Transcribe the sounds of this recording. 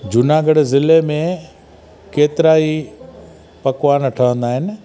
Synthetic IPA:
d͡ʑʊnaːɡəɽzɪlemẽ | keːt̪ɪɾaːi | pɐkʋaːnəʈʰəʋə̃nd̪aːɦɪnɪ̆

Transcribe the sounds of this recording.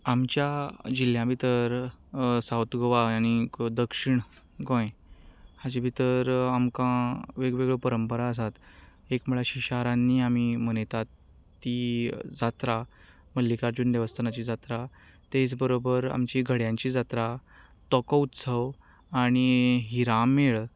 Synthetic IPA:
amt͡ɕjad͡ʑiljãbʱit̪əɾ | sawt̪ɡəʋaañid̪əkʂiɳ | ɡõjhad͡ʑibʱit̪əɾamkãʋeɡʋeɡɭepəɾəmpəɾaəs̬at̪ | ekməuɭaɕiɕaɾãnːiːamimənet̪at̪ | t̪ːid͡zat̪ɾa | məlːikaɾd͡ʑuːnʋjeʋəst̪ʰənat͡ɕid͡zat̪ɾa | t̪et͡sbəɾobəɾa̰mt͡ɕiɡʱəɽjãɲt͡ɕid͡zat̪ɾa | t̪ɔkəut̪səʋ | aɽ̃iɦiɾameɭ

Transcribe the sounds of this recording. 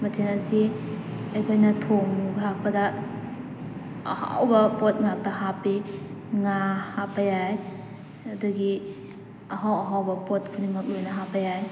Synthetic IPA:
mɐtʰenɐsi | ɐjkʰojnɐtʰoŋɡlak̚pɐdɐ | ɐ̰ha̰wbɐpot̚ŋak̚tɐɦapiŋahapʰɐjaj | ɐduɡi | ɐɦawɐɦawbɐpot̚kʰunimak̚lojnɐɦapʰɐjaj

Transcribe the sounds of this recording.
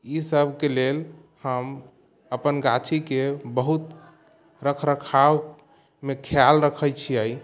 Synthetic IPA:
isəbʱkelel | həm | əpənɡat͡ʃʰikebəɦut̪ | ɾəkʰɾəkʰa | mekʰjalɾəkʰəjt͡ʃʰiəj

